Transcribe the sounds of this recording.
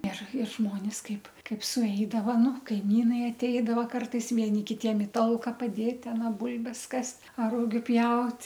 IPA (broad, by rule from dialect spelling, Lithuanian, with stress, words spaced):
ɪr ɪr ˈʒmoːnʲɪs ˈkɐɪp ˈkɐɪp sʊˈɛɪdɐʋɐ ˈnʊ ˈkɐɪmʲiːnɐɪ ɐtʲˈɛɪdɐʋoː ˈkɐrtɐɪs ʋʲiɛˈnʲɪ kʲɪˈtʲiɛm ɪ ˈtɐlˠkɐ pɐˈdʲeːt ɐˈnɐ ˈbʊlʲbʲɛs ˈkɐsʲtʲ ɐr ˈrʊɡʲʊ ˈpʲjɛʊtʲ